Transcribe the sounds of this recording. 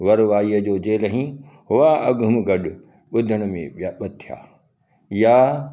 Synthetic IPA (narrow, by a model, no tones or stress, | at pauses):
ʋɐɾʋaːiəd͡ʑoːd͡ʑeːləɦĩːɦʊʋaɐɡʱʊmɡɐɗʊ | ɓʊd̪ʱəɽ̃ʊmḛ̃aɓɐt̪ʰija̰ː | jaː